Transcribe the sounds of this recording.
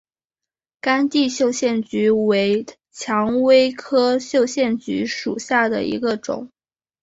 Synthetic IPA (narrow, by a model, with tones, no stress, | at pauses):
ka˥nt̪i˥˧ɕjo˥˧ʊɕjɛ˥˩nt͡ɕy˧˥we˧˥ɪ | t͡ɕʰjɑ˧˥ŋwe˥ɪkʰɤ˥ɕjo˥˧ʊɕjɛ˥˩nt͡ɕy˧˥ʂṵ˨˩ɕja˥˩d̪ə̰˩ḭ˧˥ɡə˧ʈ͡ʂʊ̰˨˩˦ŋ